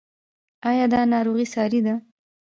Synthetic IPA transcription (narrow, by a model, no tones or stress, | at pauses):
ɑjɑd̪ɑnɑɾoɣisɑɾid̪a